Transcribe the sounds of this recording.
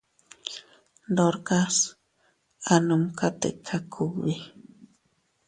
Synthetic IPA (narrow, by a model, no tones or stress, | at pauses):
d̪oɾkas | anumkat̪ḛʔkʰːakʰuβi